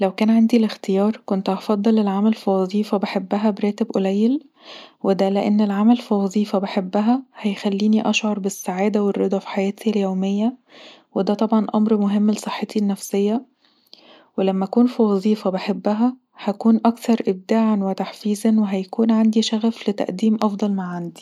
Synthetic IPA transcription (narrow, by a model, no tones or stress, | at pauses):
læwkæːnʕand̪ilext̪ejɑːɾˤkont̪ʔɑfɑd̪ˤːɑlelʕamælfiwɑzˤiːfɑbeħebːæɦæbeɾæːt̪ebʔolæjːel | wed̪æleʔenːelʕamælfiwɑzˤiːfɑbeħebːæɦæhæjxælːiːniʔɑʃʕɑɾˤbesːaʕaːd̪æwerˤːed̪ˤɑfi̥ħajæːt̪iljoːmejːæwed̪æt̪ˤɑbʕɑnʔɑmɾmoɦemːlsˤeħːet̪inːæfsejːæ | welæmːæʔkuːnfiwɑzˤiːfɑbeħebːæɦæ | hækuːnʔɑkt̪ɑɾˤʔeb̚d̪aːʕanwet̪aħfiːzænweɦæjkuːnʕand̪iʃæɣæflet̪æ̰ʔd̪iːmʔɑfd̪ˤɑlmaʕʕand̪i̥